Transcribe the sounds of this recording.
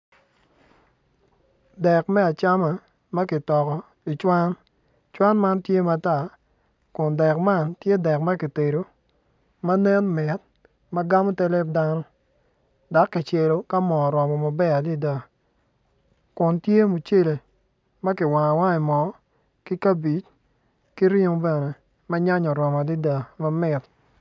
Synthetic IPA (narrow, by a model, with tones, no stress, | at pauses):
dɛ˨kmɛ˦a˨t͡ʃa˦ma˨ | mɐ˦kɪ˨tɔ˨kɔ˨ | i˨t͡ʃwa˦n | t͡ʃwa˦nma˦ntje˦ma˦ta˦˨ | kʊ˨ndɛ˨kma˦˨ntje˦dɛ˨k̚mɐ˦ki˨te˨ɾo˨˦ | ma˦nɛ˦nmɛ˨t̚ | mɐ˦ɡa˦mo˦tɛ˦lɛ˦p̚da˦nɔ˦ | da˨˦kːɪ˨t͡ʃe˨lo˦ka˦mɔ˨ɾɔ˨mɔ˨ma˨bɛ˦a˨di˦da˨ | kʊ˨ntje˦mu˨t͡ʃe˦le˨ | mɐ˦kɪ˨wa˨ŋa˨wa˦ɛ˨mɔ˨ | kɪ˦ka˦bi˨˦t͡ʃ | ki˦ɾi˦bɛ˨ne˨ | mɐ˦ɲa˦ɲɔ˨ɾɔ˨mɔ˨di˦da˨mɐ˦mɪ˨t̚